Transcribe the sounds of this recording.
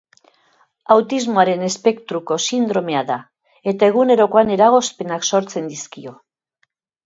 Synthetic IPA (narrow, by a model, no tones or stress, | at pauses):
awt̪izmoaɾe̞ne̞spe̞kt̪ɾuko̞sind̪ɾo̞me̞aða | e̞t̪ae̞ɣ̞une̞ɾo̞ko̞ane̞ɾaɣ̞o̞spe̞nakso̞ɾt͡se̞nd̪iskio̞